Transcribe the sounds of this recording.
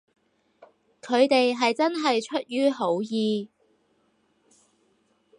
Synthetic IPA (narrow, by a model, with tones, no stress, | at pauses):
kʰɵ˨˧ɥt̪e˨jɦɐ˨jt͡sɐ˥nɦɐ˨jt͡ʃʰɵ˥t̚jyː˥ɦo˨˥wjiː˨˧